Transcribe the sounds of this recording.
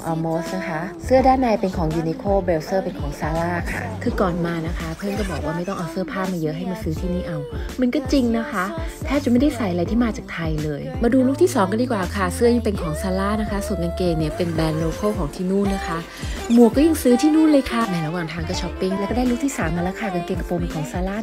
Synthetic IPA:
ʔɔː˧moː˦˥sna˦˥kʰa˦˥sɯ˥˩ɐdaː˥˩nːa˧jpe˧nkʰɔː˩˦ŋjuː˧ni˧kʰoː˥˩beː˧wsɤː˥˩pe˧nkʰɔː˩˦ŋsaː˧laː˥˩kʰa̰˥˩kʰɯː˧kɔː˨˩nmaː˧na˦˥kʰa˦˥pʰɤː˥˩mkɔː˥˩bɔː˨˩k̚waː˥˩ma˥˩jt̪ɔ˥˩ʔɔː˨˩sɯː˥˩ɐpʰaː˥˩pmaː˧jɤ˦˥ɦa˥˩jmaː˧˩sɯː˨˦˥t̪ʰiː˥˩niː˥˩ʔa˧wma˧nkɔː˥˩t͡ɕi˧ŋna˦˥kʰa˦˥t̪ʰɛː˥˩t͡ɕa˨˩ma˥˩jda˥˩jsa˨˩jʔa˧ɾa˧jt̪ʰiː˥˩maː˧t͡ɕaː˨˩k̚t̪ʰa˧jlɤː˧jmaː˧duː˧luː˥˩k̚t̪ʰiː˥˩sɔː˩˦ŋka˧diː˧˩kwaː˨˩kʰa˥˩sɯ˦˥əja˧˩pe˧nkʰɔː˨˩˦ŋsaː˧laː˥˩na˦˥kʰa˦˥su˨˩nka˧nkeː˧ŋni˥˩ɐpe˧nbɛː˧nːoː˧kʰoː˥˩kʰɔː˩˦ŋt̪ʰiː˥˩nuː˥˩nna˦˥kʰa˦˥ʔ | mu˨˩əkɔː˥˩ja˧ŋsɯː˦˥t̪ʰiː˥˨nuː˥˩nlɤː˧jkʰa˧˩nɛ˧˩ɾa˧waː˨˩ŋt̪ʰaː˧ŋka˧˥˩t͡ɕʰɔ˦˥pːi˥˩ŋlɛ˧˦˥wkɔː˥˩da˥˩jlu˥k̚t̪ʰiː˥˩saː˨˩˦mːaː˧ɾaː˦˧˥kxʰaː˧˩ka˧nkeː˧ŋkpoː˧mpe˧nkʰɔː˩˦ŋsaː˧laː˥˩

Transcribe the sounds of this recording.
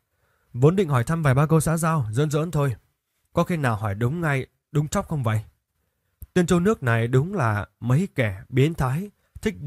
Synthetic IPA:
vo˨˦nɗḭ˧˨ŋ̟hɔ˧˩jt̪ʰa˧mvaː˨˩jɓaː˧kə˧wsaː˨˧˥zaː˧wzə̰˧˥nzə̰˧˥nt̪ʰo˧j | kɔ˨˦xi˧naː˨˩wɦɔ˧˩jɗʊ˨˦wŋ͡mŋa˧j | ɗʊ˨˦ŋ͡mt͡ɕɔ˦˥wk͡p̚xə˧wŋ͡mvə̰˧˨j | t̪i˧ənt͡ɕo˧nɨ˦˥ək̚na˨˩jɗʊ˨˦ŋ͡mlaː˨˩mə˨˦jkɛ˧˩ɓi˨˦ənt̪ʰaː˨˦j | t̪ʰï˦˥k̚

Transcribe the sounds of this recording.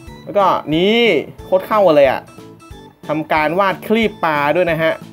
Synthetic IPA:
lɛː˦˥kɔː˥˩niː˦˥kʰo˦˥t̪̚kʰa˥˩wʔa˧lɤː˧jʔa̰˨˩ʔ | t̪ʰa˧mkaː˧nwaː˥˩t̪̚kʰliː˥˩pːaː˧du˥˩əjna˦˥kʰa˦˥ʔ

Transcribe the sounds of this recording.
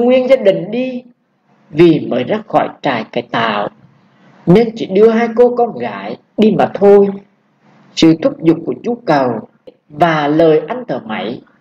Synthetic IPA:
ŋwi˧ənzaː˧ɗï˨˩ŋ̟ɗi˧ | vi˨˩məː˨˦jzaː˦˧˥xɔ˧˩jt͡ɕaː˨˩jka˨˧˩t̪a̰ː˧˨w | ne˧nt͡ɕḭ˧˩ɗɨ˧əɦaː˧jko˧kɔ˧nɣaː˧˦j | ɗi˧maː˨˩t̪ʰo˧j | sɨ̰˧˨t̪ʰʊ˦˥p̚zʊ˨˩k͡p̚ku˧˩ət͡ɕu˨˦kə˨˩w | vaː˨˩ləː˨˩jʔa˧jŋ̟t̪ʰəː˧˩ma̰˧˩˦j

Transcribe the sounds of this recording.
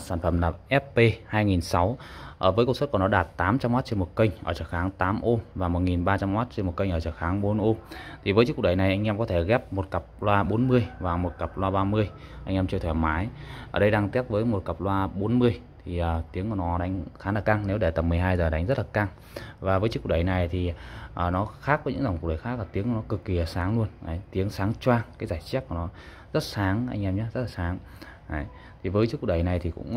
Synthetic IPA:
saː˧˩nfə˧˩mlaː˨˩ʔɛ˦˥p̚pe˧haː˧jŋi˨˩nsa˨˦w | ʔəː˧˩vəː˨˦kə˧ŋ͡msə˦˥t̚kɔ˧˩nɔ˨˦ɗaː˨˩t̚t̪aː˨˦mt͡ɕa˧mw̚t͡ɕe˧mo˨˩t̚kə˧ŋ̟ʔə̰ː˧˩t͡ɕəː˧˩xaː˨˦ŋt̪aː˨˦mʔo˧vaː˨˩mo˨˩ŋi˨˩nɓaː˧t͡ɕa˧mʔaː˦˥t̚t͡ɕe˧nm˨˩t̚kə˧jŋʔəː˧˩t͡ɕəː˧˩xaː˨˦ŋɓo˨˦nʔo˧t̪ʰi˨˩vəː˨˦t͡ɕɨ˦˥k̚ːk̚ɗə˨˩jna˨˩jʔa˧jŋ̟ʔɛ˧mkɔ˨˦t̪ʰe˧˩ɣɛ˦˥p̚mo˨˩t̚kə˨˩p̚lwaː˧ɓo˨˦nmɨ˧əjvaː˨˩mo˨˩t̚kə˨˩p̚lwaː˧ɓaː˧mɨ˧əjʔa˧jŋ̟ʔɛ˧mt͡ɕi˧t̪ʰwɛː˧˩maː˨˦jʔəː˧˩ɗə˧jɗaː˧ŋt̪i˦˥ət̚vəː˨˦jmo˨˩t̚kə˨˩p̚lwaː˧ɓo˨˦nmɨ˧əj | t̪ʰi˨˩ʔəː˨˩t̪i˨˦əŋku˧˩nɔ˨˦ɗa˨˦jŋ̟xaː˨˦nlaː˨˩ka˧ŋne˨˦wɗe˧˩t̪ə˨˩mɨ˨˩əjɦaː˧jzəː˨˩ɗa˨˦ŋ̟zə˦˥t̚laː˨˩ka˧ŋ | vaː˨˩vəː˨˦t͡ɕɨ˦˥k̚ɗə˨˩jna˨˩jt̪ʰi˨˩ʔəː˨˩nɔ˨˦xaː˦˥k̚və˨˦ɲɨ̰˧˥ŋza˨˩ŋ͡mk̚ɗə˨˩jxaː˦˥k̚la˨˩t̪i˨˦əŋku˨˩nɔ˨˦kɨ˨˩kːi˨˩ə˨˩saː˨˦ŋlu˧ənʔə˨˦jt̪i˨˦əŋsaː˨˦ŋt͡ɕwaː˧ŋkaː˨˦jzaː˧˩jt͡ɕa˦˥t̚ku˧˩nɔ˨˦ | zə˦˥t̚saː˨˦ŋʔa̰˧jŋʔɛ˧mɲaː˦zə˦˥t̚laː˨˩saː˨˦ŋ | ʔə˨˦j | t̪ʰi˨˩vəː˨˦jt͡ɕɨ˦˥k̚ɗə˨˩jna˨˩jt̪ʰi˨˩kʊ̰˧˥ŋ͡m

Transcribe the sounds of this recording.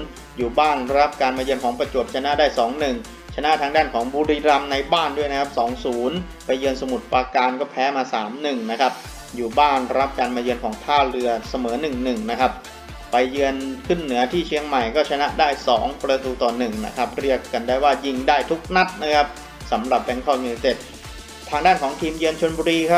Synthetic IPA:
juː˨˩baː˥˩nɾa˦˥p̚kaː˧nmaː˧jɯ˧ənkʰɔː˩˦ŋpɾa˧t͡ɕo˨˩p̪̚t͡ɕʰa˧na˦˥daː˥˩jsɔː˩˦ŋnɯ˨˩ŋ | t͡ɕʰa˧na˦˥ʔt̪ʰaː˧ŋdaː˥˩nkʰɔː˩˦ŋbuː˧ɾiː˧ɾa˧mna˧jbaː˥˩ndu˥˩jna˦˥kʰa˥p̚sɔː˩˦ŋsuː˩˦n | pa˧jːɯ˧ənsa˧mu˨˩t̪̚pɾaː˧kaː˧nkɔː˥˩pʰɛː˦˥maː˧saː˩˦mnɯ˨˩ŋna˦˥kʰa˦˥p̚ | juː˨˩baː˥˩nɾa˦˥p̚kaː˧nmaː˧jɯ˧ənkʰɔː˩˦ŋt̪ʰaː˥˩ɾɯ˧ɐsa˧mɤː˩˦nɯ˨˩ŋnɯ˨˩ŋna˦˥kʰa˦˥p̚ː | a˧jːɯ˧ənkʰɯ˥˩nːɯ˩˦ɐt̪ʰiː˥˩t͡ɕʰi˧əŋma˨˩jkɔː˥˩t͡ɕʰa˧na˦˥ʔdaː˥˩jsɔː˩˦ŋpɾa˧t̪uː˧t̪ɔː˨˩nɯ˨˩ŋna̰˦˥kʰa˦˥p̚ɾi˥˩əkːa˧ndaː˥˩jwaː˥˩ji˥˩ŋdaː˥˩jt̪ʰu˦˥k̚na˦˥t̪̚na˦˥kʰa˦˥p̚ | sa˩˦mɾa˨˩p̚bɛ˦˥ŋkʰɔː˥˩ju˧a˧jt̪e˦˥˩t̪̚ | t̪ʰaː˧ŋdaː˥˩nkʰɔː˩˦ŋt̪ʰiː˧mjɯ˧ənt͡ɕʰo˧nbuː˧ɾiː˧kʰa˦˥p̚

